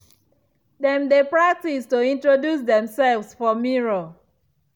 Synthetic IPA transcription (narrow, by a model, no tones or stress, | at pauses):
dɛ̃mdepɹak̚tistoĩntɹodjus̬dɛ̃msɛlvsfɔmiɹo